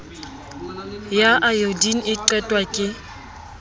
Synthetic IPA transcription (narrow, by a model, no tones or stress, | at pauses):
jaʔajodin̩ɪǀɛtʼwakʼɪ